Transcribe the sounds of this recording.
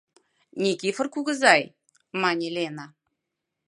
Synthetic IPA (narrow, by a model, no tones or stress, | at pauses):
nʲikifə̆rkuɣɤ̆zɑj | mɑnʲelʲena